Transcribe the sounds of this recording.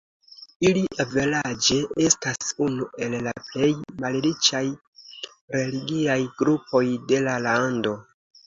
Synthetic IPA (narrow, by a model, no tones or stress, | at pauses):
iliʔave̞lad͡ʒe̞e̞stasunuʔe̞lːaple̞jmallit͡ʃaj | re̞liɡiajɡɾupo̞jde̞lalando̞